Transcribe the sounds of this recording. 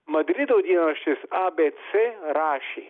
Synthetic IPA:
mɐd̪ɾid̪oːd̪iːnanɐʂt̪isaːbeːt̪seɾaːʃi

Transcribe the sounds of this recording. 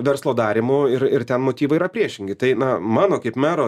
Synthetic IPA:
ʋʲɛɾslˠoːd̪ɑːɾʲɪmʊɪɾɪɾt̪ʲɛnmoːt̪ʲiːʋɐɪiːɾɐpʲɾʲiɛʃʲɪŋʲɡʲɪt̪ɐɪnɐmɑːnoːkɐɪpmʲæːɾoː

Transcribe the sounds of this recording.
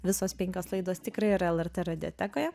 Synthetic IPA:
ʋʲɪsoːspʲɛŋʲkʲoːslˠɐɪd̪oːst̪ʲɪkɾɐɪɪɾɐɛlˠɛɾʲt̪eɾɐd̪ʲɪɔ̰t̪ʲækoːjɛ

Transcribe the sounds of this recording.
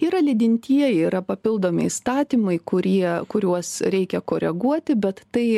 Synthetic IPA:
iːɾɐlʲɪd̪ʲɪnʲt̪ʲiɛjɛːɾɐpɐpʲɪlˠd̪oːmʲɪ̰ist̪ɑːt̪ʲiːmɐɪkʊɾʲiɛkʊɾʲuɔsɾʲɛɪkʲɛkoːɾʲɛɡuɔt̪ʲɪbʲɛt̪t̪ɐɪ

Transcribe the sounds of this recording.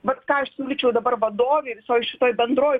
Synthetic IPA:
ʋɐt̪kɑːɐʃsʲuːlʲɪt͡ʃʲɛʊd̪ɐbɐrʋɐd̪oːʋʲeʋʲɪsoːjʃʲɪt̪oːjbʲɛnd̪ɾoːʋʲ

